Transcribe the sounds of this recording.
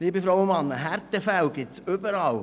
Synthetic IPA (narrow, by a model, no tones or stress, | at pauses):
liːbəfɾaʊʊnmɑnːəɦæɾtəfæwɡɪtsʏbəɾɑl